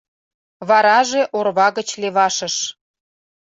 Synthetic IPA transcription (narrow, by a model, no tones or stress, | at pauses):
βɑɾɑʒeʔorβɑɣət͡ɕleβɑʃə̆ʃ